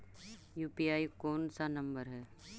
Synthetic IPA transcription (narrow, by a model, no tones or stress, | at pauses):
juːpiaːikoːnsanɐ̃mbəɾɦɛː